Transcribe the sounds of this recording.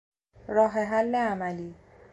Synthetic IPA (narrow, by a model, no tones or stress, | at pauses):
ɾɔɦeɦalːeamali